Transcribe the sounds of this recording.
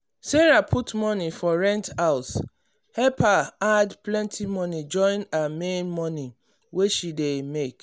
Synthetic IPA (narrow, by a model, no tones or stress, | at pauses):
seɹapʰutmɔnifɔɹɛ̃ntaʊs | hɛpʰaadplɛ̃ntʰimɔnid͡ʒɔ̃ɪ̃namẽnmɔni | weʃidemek